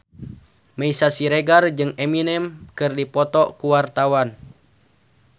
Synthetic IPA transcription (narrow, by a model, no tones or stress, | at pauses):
maisasiɾeɡard͡ʒɨŋɛminɛmkɨrdipɔt̪ɔkuwart̪awan